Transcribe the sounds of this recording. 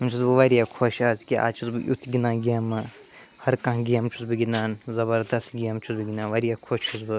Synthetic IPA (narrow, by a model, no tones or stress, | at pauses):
mt͡ʃʰuzbɨʋɐɾijakʰoʃaːzkʲia̰ːt͡ʃʰuzbɨʔṵt̪ʰɡʲinãːɡijɐmɨ | hɐɾkɐ̃ɦɡijɐmt͡ʃʰusbɨɡʲinaːnzɐbɐɾd̪ɐst̪ɡʲijɐmt͡ʃʰuzbɨɡʲinãːnʋɐɾijaːkʰoːt͡ʃt͡ʃʰuzbɨ